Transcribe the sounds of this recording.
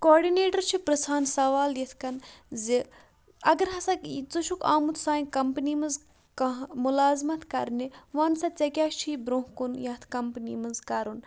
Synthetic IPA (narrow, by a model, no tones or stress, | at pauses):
kɔːɾɖineːʈɐɾt͡ʃʰipɾɐsaːnsɐʋaːljet̪ʰkɐnzi | ɐɡɐɾɦɐsɐkt͡suʃʰuka̰ːmut̪ʰsaːĩkɐmpnimɨnz | kɐɦmulaːzmɐt̪ʰkɐɾniʋaːnsɐt͡sɐkʲaːt͡ʃʰibɾoɦkunjɐt̪ʰkɐmpnḭmɨnzkɐɾun